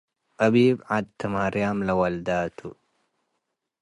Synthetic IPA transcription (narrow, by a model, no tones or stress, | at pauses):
ʔɐbiːbʕad̪̚t̪ʰːɐmaɾjamlɐwɐld̪aːt̪ʰu